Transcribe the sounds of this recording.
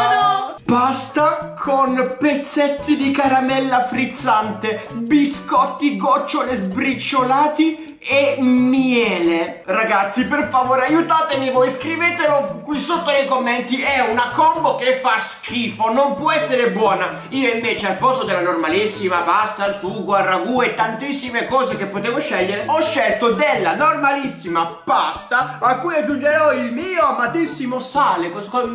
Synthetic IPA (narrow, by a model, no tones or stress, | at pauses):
bast̪akʰonpet̪sːet̪ːid̪ikaɾamɛlːafɾit̪sːant̪ebiskɔt̪ːiɡɔt͡ʃːolezbɾit͡ʃːolaːt̪i | emjɛːleraɡat̪sːiperfavoːɾeajut̪aːt̪emivojskɾiveːt̪elokwisut̪ːonejkomːɛnt̪iɛunakɔmbokefaskʰiːfonompwɔɛsːeɾebwɔːna | iːoiɱveːt͡ʃealpɔst̪od̪elːanormalisːimapast̪ansuɡwarːaɡuɛt̪ːant̪isːimekɔːzekepːot̪eːvoʃɛʎːeɾeɔʃːɛlt̪od̪elːanormalisːimapast̪aakːujad͡ʒːund͡ʒeɾɔilmiːoamat̪isːimosaːlekɔk